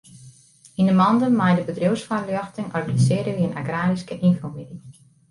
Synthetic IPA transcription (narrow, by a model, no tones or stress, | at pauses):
indəmɔndənmajdəbədrowsfarlyɑxtəŋɔrɡanisɪːɾəʋiənaɡraːɾiskəʔinfomidi